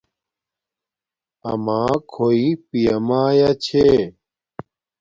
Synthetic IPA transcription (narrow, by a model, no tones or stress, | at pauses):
ɐ̰mãːkʰoipijɐmaːjat͡ɕʰe